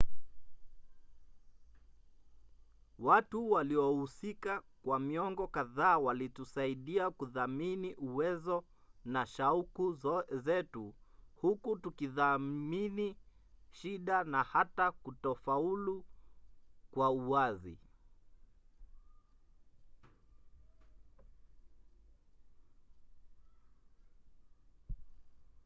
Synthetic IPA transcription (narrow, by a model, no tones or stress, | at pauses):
watuwaliɔhusikakwamiɔŋɡɔkaðaːwalitusaiɗiakuðaminiʔuwɛzɔ | naʃaukuzɛtuhukutukiðaminiʃiɗanahatakutɔfaulu | kwauwazḭ